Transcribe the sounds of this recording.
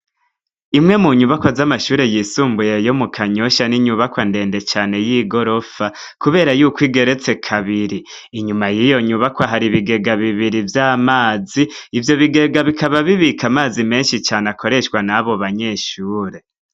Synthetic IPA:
imŋe̞muɲuβakwozamaʃuːɾe̞jiːsuːmbujejo̞mukʰaɲo̞ʃaniɲuβakwande̞ːnde̞t͡ʃaːne̞jiːɡo̞ɾo̞fa | kuβe̞ːɾajuːkwiːɡe̞ɾe̞t͡se̞kʰaβiɾiː | ɲumajijo̞ɲuβakwaɦaɾiβiɡe̞ɡaβiβiɾivjaːmaːziːvjo̞βiɡe̞ɡaβikʰaβaβiβikamaːzime̞ːnʃit͡ʃaːnakʰo̞ɾe̞ʃwanaβo̞βaɲe̞ʃuːɾe̞

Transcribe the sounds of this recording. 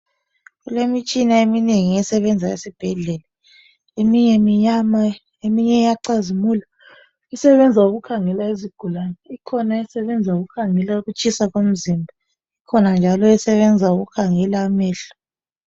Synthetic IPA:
ɣulemit͡ʃʼinaemineŋiɛsɛβɛnd͡zʱaḛsib̥ʱɛɮɛla | emiɲɛmiɲama | emiɲɛjaǀazimuːla | isɛβɛnd͡zʱauɣukʰaŋɛlaeziɡ̥ʱulanɛikʰɔnaɛsɛβɛnd͡zʱauɣukʰaŋɛlauɣut͡ʃʰʼisaɣom̩zimbʱa | ikʰɔnand͡ʒʱalɔɛsɛβɛnd͡zʱauɣukʰaŋɛlaumɛːɬḁ

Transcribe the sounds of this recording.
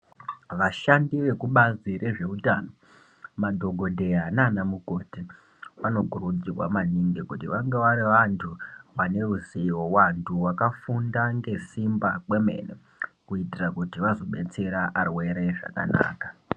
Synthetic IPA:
ʋaʃandiʋe̞kuɓaziɾʔe̞ʐe̞utaːno̞ | madʱo̞ɡʱo̞dʱe̞ananamuko̞ti | ʋano̞ɡʱurud͡zirwa̰maniŋɡekutiʋaŋɡeʋaɾiʋantʰuʋane̞ruzewowantʰuwakafundaŋɡe̞simbakwe̞me̞̰nḛ | kuitirakutiʋazo̞ɓe̞t͡se̞ɾaʔarwe̞ɾeʐa̰ka̰na̰ːkḁ

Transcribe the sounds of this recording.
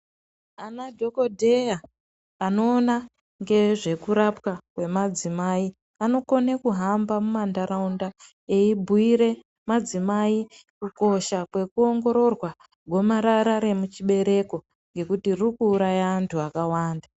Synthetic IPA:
anadʱo̞kodʱejaː | no̞ːna | ŋɡe̞ʐe̞kuɾapwakwe̞mad͡zimai | ano̞ko̞nekuɦambamumandaɾaunda | eibʱuiɾe̞ | mad͡zimaikuko̞ʃakwe̞kuo̞ŋɡo̞ɾo̞rwa | ɡʱo̞maɾaɾaɾe̞mut͡ʃiɓe̞ɾe̞ko̞ | ŋɡe̞kutirikuːɾajaːntʰuakawaːnda

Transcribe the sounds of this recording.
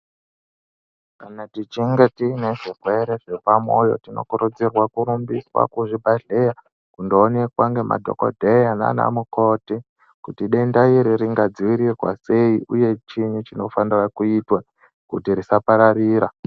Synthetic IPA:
kanatit͡ʃiŋɡetine̞ʐirwe̞ɾe̞ʐepamo̞jo̞̰tino̞̰kuɾud͡zirwakuɾumbiswa̰kuʐibʱaɮe̞ja | kundoːnekwaŋɡe̞ma̰dʱo̞̰ko̰dʱejana̰na̰muko̞ti | kutiɗe̞ndaiɾiɾiŋɡad͡ziwiɾirwa̰se̞iʔuje̞t͡ʃiɲut͡ʃino̞fanirakuitwa | kutiɾisapaɾaɾiːɾa

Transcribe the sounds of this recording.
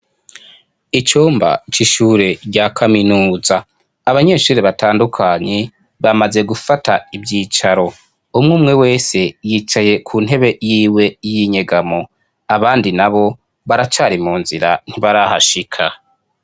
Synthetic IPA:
it͡ʃoːmba̰t͡ʃiʃuːɾe̞ɾɟakʰaminuːzaː | βaɲe̞ːʃuːɾeβataːndukʰaːɲe̞ | βamaze̞ɡufataibɟiːt͡ʃaɾo̞ | umŋuːmŋe̞we̞ːse̞jiːt͡ʃaje̞kʰuːn̥ɦe̞βe̞jiːwe̞jiɲe̞ɡamo̞ | aβaːndinaβo̞ | βaɾat͡ʃaːɾimuːnziɾa̰n̥iβaɾaha̰ʃikʰa̰

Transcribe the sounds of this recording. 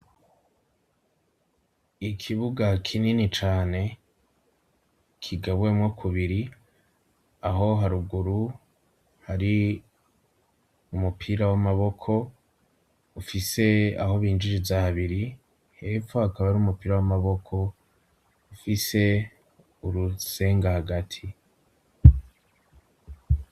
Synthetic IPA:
ikʰiβuɡakʰininit͡ʃaːne̞ | kʰiɡaβwemŋokʰuβiɾi | aɦo̞ɦaɾuɡuɾu | haɾi | umupʰiɾawamaβo̞kʰo̞ | ufise̞a̰ho̞βiːnd͡ʒiɾizahaβiɾi | he̞ːfohakaβaɾiumupiːɾawamaβo̞kʰo̞ | ufise̞ | uɾuse̞ːŋɡahaɡatʰi

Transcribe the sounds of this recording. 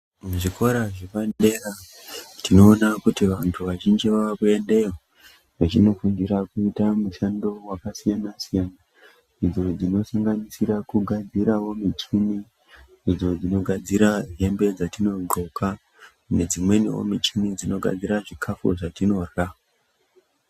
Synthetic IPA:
muʐiko̞ɾaʐipande̞ra | tino̞ːnakutiʋantʰuʋaʒind͡ʒiʋaʋakue̞nde̞o | ʋat͡ʃino̞fuŋɡiɾakuitamuʃando̞wakasijanasijana | id͡zo̞d͡zino̞saŋɡanisiɾakuɡʱad͡ziɾawo̞mit͡ʃimi | id͡zo̞d͡zino̞ɡʱad͡ziɾaɦe̞mbe̞d͡zatino̞ɡo̞ka | ne̞d͡zimwe̞nḭwo̰mit͡ʃimid͡zino̞ɡʱa̰d͡ziɾaʐikʰafṵʐatino̞ra

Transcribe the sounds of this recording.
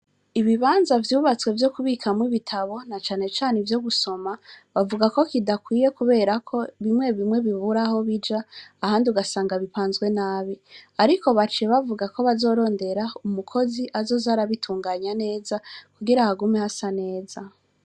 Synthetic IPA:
iβiβaːnzavjuːβat͡swe̞vjo̞kuβiːkʰamwiβitʰaβo̞nat͡ʃaːne̞t͡ʃaːnevjo̞ɡuso̞maβavuɡako̞kidakwiːje̞kuβe̞ːɾakʰo̞βimŋe̞βimŋe̞βiβuɾaho̞βid͡ʒaːhaːndiuɡasaːŋɡaβipaːnzɡwe̞naːβiaɾiko̞βat͡ʃeβavuɡakʰo̞βazo̞ːɾo̞ːnde̞ɾaumukʰo̞ziʔazo̞zaɾaβitʰuːŋɡaːɲane̞ːzakuɡiɾahaɡume̞hasane̞ːza

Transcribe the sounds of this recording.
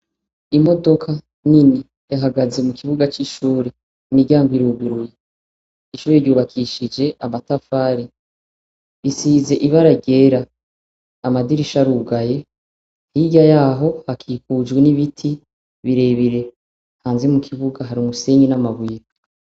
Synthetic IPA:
imo̞do̞kʰa | nini | jaɦaɡaze̞mukʰiβuɡat͡ʃiʃuːɾe | miɟaːŋɡiɾuːɡuɾuje | iʃuːɾeɾɟuːβakʰiʃid͡ʒe̞ʔamatafaːɾi | βisize̞ʔiβaɾaɟe̞ɾaː | madiɾiʃaɾuːɡaje | hiɟajaːɦo̞hakʰiːkud͡ʒɡweniβitʰi | βiɾe̞βiɾe̞ | haːnzemukʰiβuɡaɦaɾiumuse̞ɲinamaβwiːɾa

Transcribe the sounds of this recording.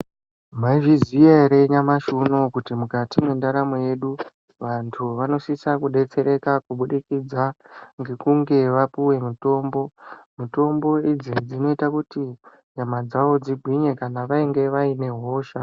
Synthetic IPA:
maiʐizijeɾe̞ɲamaʃuno̞kutimukatimwe̞ndaɾamoje̞ɗu | ʋantʰuʋano̞sisakuɗe̞t͡se̞ɾe̞kakuɓuɗikid͡zaŋɡe̞kuŋɡe̞ʋapuwe̞mito̞ːmbo̞muto̞mbo̞id͡zid͡zino̞itakuti | ɲamad͡zaʋo̞d͡ziɡʱwiɲe̞kanaʋaiŋɡe̞ʋaine̞ɦo̞ːʃa

